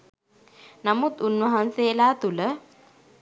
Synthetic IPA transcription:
namut̪unʋɐɦanselaːt̪ulə

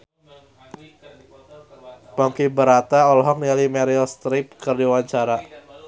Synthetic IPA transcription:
pɔŋkibəɾat̪aɔlɦɔk̚nilimɛɾiɔst̪ɾɪp̚kərdiwaɲt͡ʃaɾa

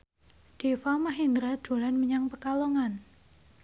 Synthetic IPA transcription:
ɖ̥efamaɦind̪ɾḁd̥olanməɲaŋpəkalɔŋan

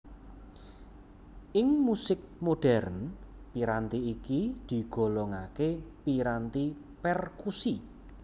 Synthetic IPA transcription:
ʔɪŋmusɪk̚moɖ̥ɛrnpiɾant̪iːkid̪̥i̤ɡ̥o̤lɔŋakepiɾant̪i | pɛrkusi

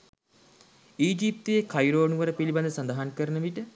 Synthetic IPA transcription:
iːd͡ʒip̚t̪ujekʰajɾoːnuʋəɾəpiliband̪əsand̪aɦankəɾənəʋiʈə

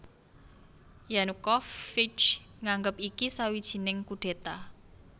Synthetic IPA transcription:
janukɔfːit͡ʃ | ŋaŋɡəpikisawid̥ʒ̥i̤nɪŋkuɖ̥e̤t̪a

